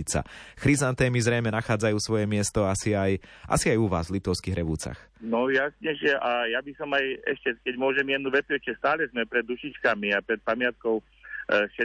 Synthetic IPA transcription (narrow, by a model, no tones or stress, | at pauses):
it͡sa̰xɾizant̪ɛːmizɾɛjmɛnaxaːd͡zajuːsʋɔjɛmɪɛst̪ɔasiajʔa̰siajuʋa̰ːzvlit̪ɔʊskiɦɾɛʋuːt͡sa̰xnɔjasɲɛʃɛʔajabisɔmajɛ̰ʃcɛkɛɟmʊɔʒɛmjɛd̪nuʋɛt̪uɛʃcɛst̪aːlɛzmɛpɾɛd̪uʃit͡ʃkamiapɾɛt̪̚pamɪat̪̚kɔʊ | ʃɛ